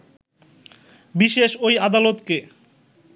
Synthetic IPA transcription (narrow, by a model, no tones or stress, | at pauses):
biʃeʃojad̪alot̪ke